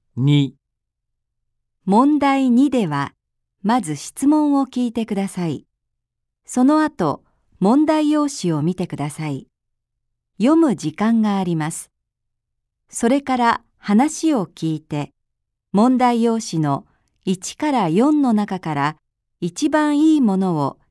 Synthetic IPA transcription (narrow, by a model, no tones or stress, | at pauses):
ɲʲi | mõ̞nd̪aiɲ̟id̪e̞βa | mazɨɕi̥t͡sɨmõ̞ɰ̃o̞kʲiːt̪e̞kɯ̟d̪asaḭ | so̞no̞at̪o̞̰ | mõ̞nd̪aijo̞ːɕio̞mʲit̪e̞kɯ̟d̪asai | jo̞mɯ̟d͡ʑikãŋɡaːɾʲimasɨ̥ | so̞ɾe̞kaɾa | hanaɕio̞kʲiːt̪e̞ | mõ̞nd̪aijo̞ːɕino̞ | it͡ɕi̥kaɾajõ̞nːo̞nakakaɾa | it͡ɕibãɰ̃iːmo̞no̞o